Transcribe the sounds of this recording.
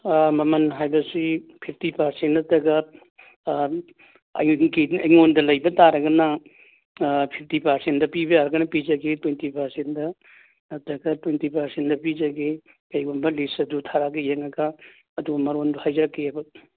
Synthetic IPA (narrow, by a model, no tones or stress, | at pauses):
mɐmɐnɦajbɐsipʰip̚ʰtipaɾsentɐtɐɡɐ | kiɐjŋondɐlɐjbɐtaɾɐɡɐnɐ | pʰip̚ʰtipaɾsendɐpibɐjaɾɐɡɐnɐpid͡ʒɐɡetwentipaɾsendɐ | tɐɡɐtwentipaɾsendɐpizɐɡe | kɐjɡunbɐlisɐdutʰaɾaɡejeŋɐɡɐː | dubɐmɐɾonduhajd͡ʒɐɾɐkːeabɐ